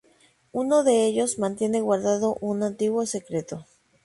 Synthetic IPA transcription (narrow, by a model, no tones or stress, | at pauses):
unoðeeʎosmãnt̪jeneɣwaɾðaðoʔunant̪iɣwosekɾet̪o